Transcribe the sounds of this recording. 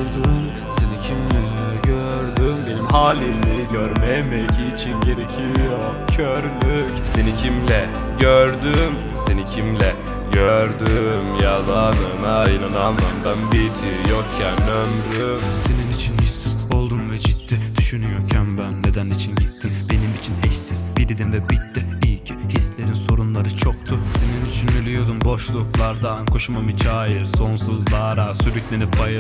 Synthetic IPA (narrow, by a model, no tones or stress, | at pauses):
d̪um | se̞nicʰimlɛɛɟø | ɾd̪ymd̪elʲimɦaːlʲiliɟøɾmemɛcʰːt͡ʃʰinɟe̞ɾecʰijo | cʰøɾlʲycse̞nicʰimlʲɛ | ɟøɾd̪ym | se̞nicʰimlʲɛ | ɟøɾd̪ymjalˠad̪ɯmainanamɯmbænbit̪ʰijokcʰænømɾymse̞ninit͡ʃʰinhissizo̞lˠd̪umvɛd͡ʒit̪ʰːid̪̥yʃynyjo̞cʰænbænːe̞d̪ænːit͡ʃʰinɟit̪ʰːimbe̞nimit͡ʃʰinhɛçsizbiɾid̪imvɛbit̪ːiijcʰihislʲe̞ɾinso̞ɾunlˠaɾɯt͡ʃʰok̚t̪ʰusenind̪yt͡ʃʰynylʲyjo̞d̪umbo̞ʃlˠuklˠaɾd̪aːnkʰoʃumamɯt͡ʃʰaːjɯɾso̞nsuzlˠaːɾasyɾyclʲenipʰajɯ